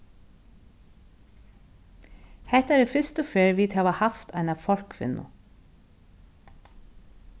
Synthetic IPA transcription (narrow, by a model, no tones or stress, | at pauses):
hɛt̪æːɾifʏst̪ɔfeːɹʋiːd̪hɑːʋəhɑft̪ʰæɪnɑʋfɔɹkʰfɪ̰nʊ̰